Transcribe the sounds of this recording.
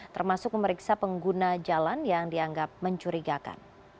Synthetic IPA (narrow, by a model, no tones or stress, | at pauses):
t̪ərmasʊk̚məməɾiksapəŋɡunad͡ʒalanjaŋdiaŋɡap̚məɲt͡ʃuɾiɡaka̰n